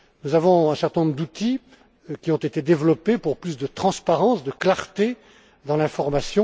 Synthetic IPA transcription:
nuzavɔ̃ɛ̃sɛʁt̪ɛ̃nɔ̃bʁd̪ut̪i | kʲiɔ̃t̪et̪ed̪evlɔpepuʁplysd̪ət̪χɑ̃spaʁɑ̃sd̪əklaʁt̪e | d̪ɑ̃lɛ̃fɔʁmasjɔ̃

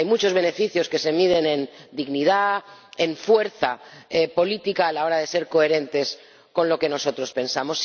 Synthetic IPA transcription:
jmut͡ʃo̞zβe̞ne̞fiθjo̞ske̞se̞mið̞e̞nẽ̞nd̪iɣnið̞aeɱfwe̞ɾθaepo̞lit̪ikaːlao̞ɾaðe̞se̞ɾko̞e̞ɾe̞nt̪e̞s | ko̞nlo̞ke̞no̞so̞t̪ɾo̞spe̞nsamo̞s

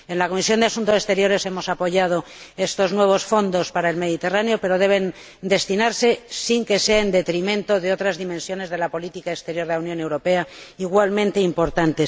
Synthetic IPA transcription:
e̞nlako̞misjo̞nd̪easunt̪o̞sest̪e̞ɾjo̞ɾe̞se̞mo̞sapo̞ʝað̞o̞ | e̞st̪o̞znwe̞β̞o̞sfo̞nd̪o̞spaɾaelme̞ð̞it̪e̞raneope̞ɾo̞ðe̞βe̞n | d̪e̞st̪inaɾse̞siŋke̞seaend̪e̞t̪ɾimẽ̞nt̪o̞ðeo̞t̪ɾazðimẽnsjo̞ne̞zð̞e̞lapo̞lit̪ikaekst̪e̞ɾjo̞ɾðeawnjo̞ne̞wɾo̞pe̞aiɣwalmẽnt̪e̞impo̞ɾt̪ant̪e̞s

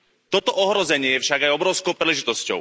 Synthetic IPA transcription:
t̪ɔt̪ɔʔɔɦɾɔzɛɲɪɛjɛfʃaɡajɔbɾɔʊskɔʊpɾilɛʒit̪ɔscɔ̰ʊ

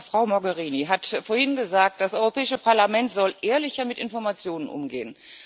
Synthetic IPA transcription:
fʁ̥aʊmɔɡəʁiːniɦatfoːɐhɪnɡəzaːk̚t̚d̥asʔɔʏʁopʰɛːɪʃəpʰaɐlamɛntz̥ɔlʔeːɐlɪçɐmɪtʔɪnfɔɐmat͡sjoːnənʔʊ̰mɡḛːən

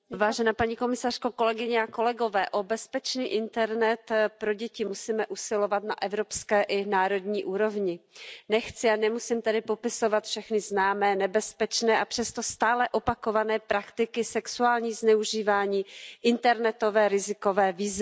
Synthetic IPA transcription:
vaːʒɛnaːpaɲiko̞mɪsar̝̥koko̞lɛɡɪɲɛako̞lɛɡo̞vɛːʔo̞bɛspɛt͡ʃniːʔɪnt̪ɛɾnɛt̪pɾo̞ɟɛcɪmusiːmɛʔusɪlo̞vat̪na̰ʔɛvɾo̞pskɛːʔɪnaːɾo̞d̪ɲiːʔuːɾo̞vɲɪnɛxt͡sɪanɛmusɪmt̪ɛdɪpo̞pɪso̞vat̪fʃɛxnɪznaːmɛːnɛbɛspɛt͡ʃnɛːʔapr̥ɛst̪o̞st̪aːlɛʔo̞pakovanɛːpɾakt̪ɪkɪsɛksuaːlɲiːznɛuʒiːvaːɲiːʔɪnt̪ɛɾnɛt̪o̞vɛːɾɪzɪko̞vɛːviːzvɪ

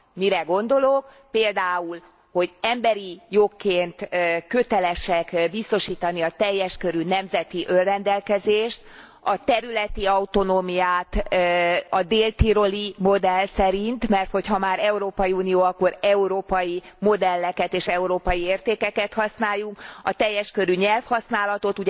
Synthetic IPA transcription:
miɾɛɡo̞nd̪o̞lo̞k | peːld̪aːul | ho̞ɟɛmbɛɾijokːeːnt̪kːøt̪ɛlɛʃɛkbist̪o̞ʃiːt̪ɒniɒt̪ɛjːɛʃkø̞ɾynɛmzɛt̪iʔørːɛnd̪ɛlkɛzeːʃt̪ | ɒt̪ɛɾylɛt̪iɒut̪o̞noːmijaːt̪ | ɒd̪eːlt̪iɾo̞limo̞d̪ɛlsɛɾint̪mɛrt̪ho̞chɒmaːɾɛuɾoːpɒjiuːnijoːɒkːo̞ɾɛuɾoːpɒjimo̞d̪ɛlːɛkɛt̪eːʃɛuɾoːpɒjieːrt̪eːkɛkɛt̪hɒsnaːjːuŋkɒt̪ɛjːɛʃkø̞ɾyɲɛlfhɒsnaːlɒt̪o̞t̪uɟ

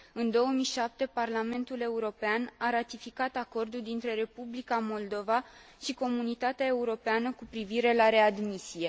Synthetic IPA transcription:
ɨnd̪o̞wəmijʃap̚t̪e̞parlame̞nt̪ule̞uɾo̞peanaɾat̪ifikat̪ako̞rd̪uld̪int̪ɾe̞ɾe̞publikamo̞ld̪o̞va | ʃiko̞munit̪at̪eae̞uɾo̞peanəkupɾiviɾe̞laɾe̞ad̪misie̞

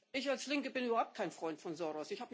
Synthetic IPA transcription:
ʔɪçalslɪŋkəbɪnʔyːbɐhaʊp̚t̚kʰaɪnfʁ̥ɔʏntfɔnzɔʁɔsɪçhaːbə

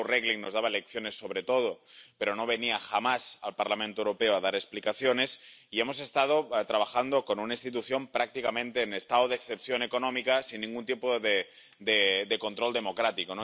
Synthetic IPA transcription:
reɣliŋnozðaβaelekθjone̞sːo̞β̞ɾet̪oð̞opeɾonoβ̞e̞niaxamasalpaɾlamẽnt̪oewɾopeoaðaɾeksplikaθjone̞siemose̞st̪að̞ot̪ɾaβ̞axand̪okonunainst̪it̪̬uθjo̞mpɾak̚t̪ikamẽ̞nt̪eːnest̪aoðeksθepθjonekonõmikasinːĩŋɡunt̪jempoðe | d̪ed̪eko̞nt̪ɾold̪e̞mokɾat̪ikono

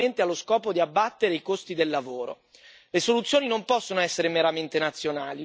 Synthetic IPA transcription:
ent̪ealːoskɔːpod̪iabːat̪ːeɾeikost̪id̪elːavoːɾo̰ | lesolut̪sːjoːninompɔsːonoɛsːeɾemeɾament̪enat̪sːjonaːli

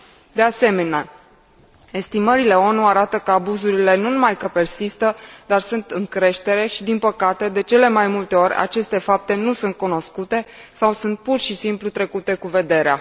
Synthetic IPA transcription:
d̪e̞ase̞me̞nea | e̞st̪iməɾile̞o̞nuaɾat̪əkəabuzuɾile̞nunumajkəpe̞rsist̪əd̪arsunt̪ɨŋkɾe̞ʃt̪eɾe̞ʃid̪inpəkat̪e̞d̪e̞t͡ʃe̞le̞majmult̪e̞o̞ɾʲa̰t͡ʃe̞st̪e̞fap̚t̪e̞nusunt̪̚kuno̞skut̪e̞sawsunt̪̚purʃisimplut̪ɾe̞kut̪e̞kuve̞d̪e̞ɾea̰

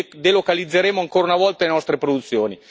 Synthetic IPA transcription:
d̪elokalid̪zːeɾeːmoaŋkoːɾaunavɔlt̪alenɔst̪ɾepɾod̪ut̪sːjoːni

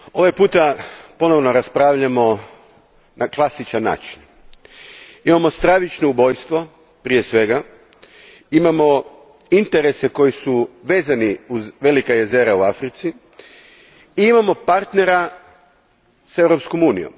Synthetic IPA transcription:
o̞ʋajpuːt̪apo̞no̞ʋno̞ɾaspɾaːʋʎamo̞ | nʔaklˠasit͡ʃanːa̰ːt͡ʃin | imamo̞st̪ɾaʋit͡ʃnoubo̞jst̪ʋo̞ | pɾije̞sʋe̞ɡa | imamo̞ | int̪e̞ɾe̞se̞ko̞jisuʋe̞ːzaniuzʋe̞likaje̞ze̞ɾauafɾit̪si | iimamo̞paɾt̪ne̞ɾa | se̞vwɾopsko̞muːnḭjo̞̰m

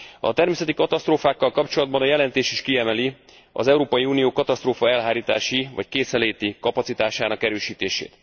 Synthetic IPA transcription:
ɒ̰t̪ɛrmeːsɛt̪ikɒt̪ɒst̪roːfaːkːɒlkɒpt͡ʃo̞lɒd̪̚bɒnɒjɛlɛnt̪eːʃiʃkiɛmɛli | ɒ̰zɛuɾoːpɒjiuːnijoːkɒt̪ɒst̪roːfɒɛlɦaːɾiːt̪aːʃivɒ̰ckeːsɛleːt̪ikɒpɒt̪sit̪aːʃaːnɒkɛɾøːʃiːt̪eːʃḛːt̪

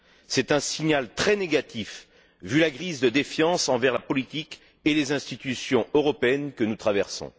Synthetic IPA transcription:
sɛt̪ɛ̃siɲalt̪χɛneɡat̪if | vylaɡʁizd̪əd̪efjɑ̃sɑ̃vɛʁlapɔlit̪ik | elezɛ̃st̪it̪ysjɔ̃øʁɔpeɛnkənut̪χavɛʁsɔ̰̃

